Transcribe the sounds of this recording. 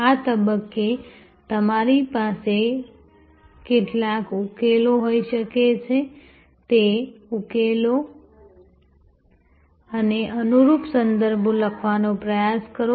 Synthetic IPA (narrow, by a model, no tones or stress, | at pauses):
at̪əbəkːe | t̪əmaɾipase | keʈlakukeloɦoiʃəket͡ʃʰe | t̪eukelo | əneʔənuɾupsənd̪əɾbʱoləkʰʋanopɾəjaskəɾo